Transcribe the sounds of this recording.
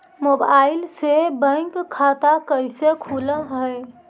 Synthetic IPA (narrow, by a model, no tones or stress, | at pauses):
mobaɪlsebə̃jkkʰːat̪akəjsekʰuləɦəj